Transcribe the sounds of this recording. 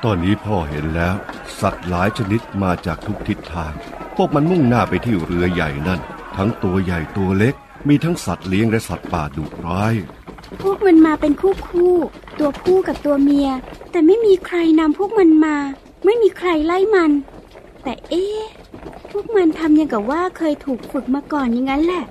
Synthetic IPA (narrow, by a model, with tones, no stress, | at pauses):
t̪ɔː˧nːiː˦˥pʰɔː˥˩ɦḛ˨˦nlɛː˦˥w | sa˨˩t̪̚laː˩˦jt͡ɕʰa˧ni˦˥t̪̚maː˧t͡ɕaː˨˩k̚t̪ʰu˦˥k̚t̪ʰi˦˥t̪ʰːaː˧ŋ | pʰu˦˥˩ək̚ma˧nmu˥˩ŋnaː˥˩pa˧jt̪ʰiː˥˩ɾɯ˧ɐja˨˩jna˥˩nt̪ʰa˦˥ŋt̪u˧ɐja˨˩jt̪u˧ɐle˦˥k̚ | miː˧t̪ʰa˦˥ŋsa˨˩t̪̚li˦˥əŋlɛ˦˥sa˨˩t̪̚paː˨˩duː˨˩k̚ɾaː˦˥j | pʰu˥˩ək̚ma˧nmaː˧pe˧nkʰuː˥˩kʰuː˥˩t̪u˧ɐkʰuː˥˩ka˨˩p̚t̪u˧ɐmi˧ɐt̪ɛː˨˩ma˥˩jmiː˧kʰɾa˧jna˧mpʰu˦˥˩k̚ma˧nmaː˧ | ma˥˩jmiː˧kʰɾa˧jla˥˩jma˧n | t̪ɛː˨˩ʔeː˧˩ | pʰu˥˩ək̚ma˧nt̪ʰa˧mja˧ŋka˨˩waː˥˩kʰɤː˧jt̪ʰuː˨˩k̚pʰu˨˩t̪̚maː˧kɔː˨˩nja˨˩ŋːa˦˥nlɛ˧˩ʔ